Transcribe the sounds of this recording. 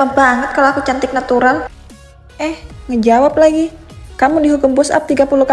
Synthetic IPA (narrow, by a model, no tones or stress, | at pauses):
abaŋət̪̚kalawakut͡ʃant̪ɪk̚nat̪uɾal | ʔɛhŋəd͡ʒawap̚laɡikamudiɦukumpusa̰p̚t̪iɡapuluka